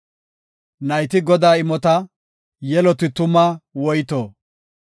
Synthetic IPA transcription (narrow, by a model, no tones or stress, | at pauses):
nɐjt̪ɪɡɔd̪aːɪmɔt̪ɐ | jɛlɔt̪ɪt̪ʊmɐwɔjt̪oː